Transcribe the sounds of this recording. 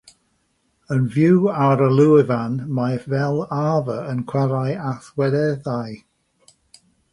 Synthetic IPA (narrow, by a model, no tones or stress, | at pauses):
ənvjuwaɾəlˠuɪvanmajvɛlˠaːvəənkʰw̥aɾajaθwɛdɛðaj